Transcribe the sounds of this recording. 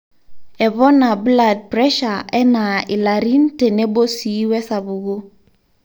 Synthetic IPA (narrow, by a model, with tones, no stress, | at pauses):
ɛ˨βɔ˦na˨bla˨d̚pɾɛ˦ʃa˨ɛ˦na˨i˨la˨ɾi˦n̩˦te˨ne˦bo˦si˨˦wɛ˦sa˨bu˨ɡo˦